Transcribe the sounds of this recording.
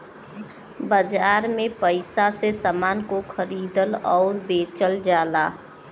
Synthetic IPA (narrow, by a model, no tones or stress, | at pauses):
bəd͡ʒaːɾmẽpəɪsasesamaːnkokʰəɾiːd̪əlɔːɾbeːt͡ʃəld͡ʒaːlaː